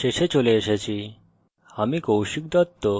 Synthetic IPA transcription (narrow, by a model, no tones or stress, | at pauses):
eɕet͡ɕoleəɕat͡ɕi | amikowɕik̚d̪at̪ːo